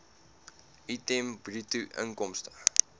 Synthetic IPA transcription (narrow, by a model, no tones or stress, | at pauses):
ʔitembrituʔə̰ŋkɔmstə